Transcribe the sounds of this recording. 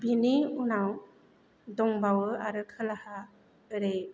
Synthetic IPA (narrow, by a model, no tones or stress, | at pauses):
biniunaw | dɔŋbawɯaɾɯkʰɯlaha | ɯɾej